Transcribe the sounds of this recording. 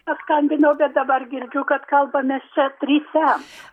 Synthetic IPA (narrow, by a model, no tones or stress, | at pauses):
pɐskɐnʲbʲɪnɐʊbʲɛt̪̚d̪ɐbɐrɡʲɪɾʲd͡ʒʲʊkɐt̪kɐlˠbɐmʲɛst͡ʃʲɛt̪ʲɾʲiːsʲæːms